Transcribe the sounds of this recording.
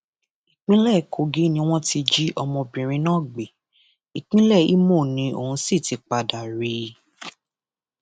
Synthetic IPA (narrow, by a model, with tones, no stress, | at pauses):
i˨k͡pĩ˦lɛ˦˨kʰo˨ɡi˦nĩ˧˦w̃ɔ̃˦ti˧d͡ʒi˦ʔɔ˧mɔ̃˧bĩ˨ɾ̃ĩ˧nãː˦˨ɡ͡be˨ | i˨k͡pĩ˦lɛ˦˨ḭ˦mo˦˨nĩ˧˦o˨ũ˧˦si˦˨ti˧k͡pa˧da˨ɾi˧